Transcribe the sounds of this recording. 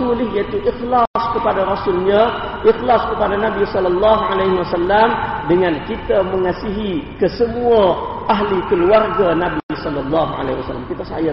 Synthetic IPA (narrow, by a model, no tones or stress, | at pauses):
ulɪhjait̪uʔixlaskəpadaɾɔsʊlɲa | ʔixlaskəpadanabisɔlɔlːɑɦʕalajɦiwasalːamdəŋankit̪aməŋasiɦikəsəmuaʔaɦlikəluarɡanabisɔlːɔlːɑɦʕa̰laɦiwasalːamkit̪asa̰ja